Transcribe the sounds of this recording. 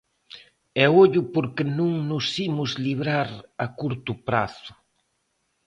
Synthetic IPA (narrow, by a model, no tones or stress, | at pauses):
ɛoʎʊpoɾkɪnũŋnʊsimʊzliβɾaɾakuɾt̪ʊpɾa̰θʊ̥